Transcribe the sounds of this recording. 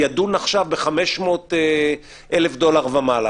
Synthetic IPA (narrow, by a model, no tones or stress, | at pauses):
ad̪unaχʃavbeχameʃmo̞t̪e | ʔelefd̪o̞laʁvamala